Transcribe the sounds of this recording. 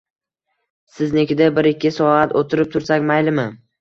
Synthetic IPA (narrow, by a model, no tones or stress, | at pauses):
sɪznekʲɪd̪abɪɾɪkʲʰːɪsɒat̪ʰot̪ʰɪɾɪp̚t̪ʰʊɾsakʲmajlɪmɪ